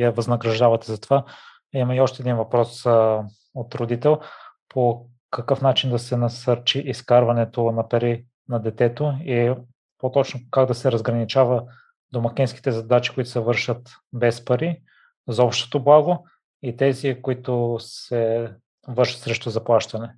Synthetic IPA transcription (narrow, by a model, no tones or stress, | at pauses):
jɐvɐznɐɡɾɐʒd̪avɐt̪ɛzɐt̪ova | imɐiɔʃt̪ɛd̪invɐpɾɔs | ot̪ɾod̪it̪ɛlˠpʰo | kɐkɤfnat͡ʃind̪ɐsɛnɐsɤɾt͡ʃiʔːskaɾvɐnɛt̪onɐpɐɾi | nɐd̪ɛt̪ɛt̪oi | pot̪ɔt͡ʃnokaɡd̪ɐsɛɾɐzɡɾɐnit͡ʃavə | d̪omɐkɛnski̥t̪ɛzɐd̪at͡ʃi̥koʊit̪ʊ̥sɛvɤɾʃət̪ | bɛspɐɾi | zɔpʃt̪o̥t̪oblˠaɡo | it̪ɛzikoit̪osɛ | vɤɾʃət̪sɾɛʃt̪ʊzɐplˠaʃt̪ɐnɛ